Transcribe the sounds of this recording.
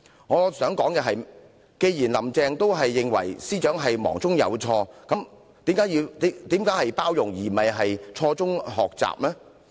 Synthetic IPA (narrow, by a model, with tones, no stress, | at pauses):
ŋɔː˨˧sœː˨˥ŋkɔː˨˥ŋkɛː˧ɦɐ˨j | ke˧jjiː˨˩nlɐ˨˩mt͡sɛː˧ŋt̪o˥wɦɐ˨jːɪ˨ŋwɐ̰˨˩jsiː˥t͡ʃœː˨˥ŋɦɐ˨jmɔ̰ː˨˩ŋt͡sʊ˥ŋjɐ̰˨˧wt͡sʰɔː˧kɐ˨˥m | t̪iː˨˥mkaː˧˥jiː˧wt̪ːt̪iː˨˥mkaː˨˥jhɐ˨jpaː˥wjʊ˨˩ŋjiː˨˩mɐ˨jɦɐ˨jt͡sʰɔː˧t͡sʊ˥ŋɦɔ̰ː˨k̚t͡sa̰ː˨p̚lɛː˥